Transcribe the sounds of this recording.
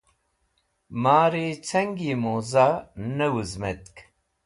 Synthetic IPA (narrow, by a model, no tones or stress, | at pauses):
maːɾet͡sʰɐŋɡimozanɐwuzmet̪k